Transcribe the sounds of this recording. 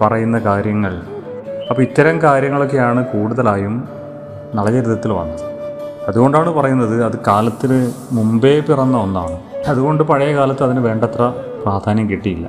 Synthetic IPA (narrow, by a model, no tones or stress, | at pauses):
pɐrɐjunːɐkaːɾjɐŋːɐɭ | ɐpːoːit̪ːɐɾɐmkaːɾjɐŋːɐɭo̞k̬ːe̞jaːɳɨkuːɽuðɐlaːjum | nɐɭɐd͡ʑeɾud̪ʰʱːɐt̪ːilʋɐ̰nːɐɐðuɣo̞ɳɖaːɳɨpɐrɐjunːɐðɨɐðɨkaːlɐt̪ːilɨmumbe̞ːpirɐnːɐonːaːɳɨ | ɐðuɣo̞ɳɖɨpɐɻɐjɐkaːlɐt̪ːɐðinɨʋe̞ːɳɖɐt̪rɐpraːd̪ʱaːnjɐmkiʈːijilːɐ̰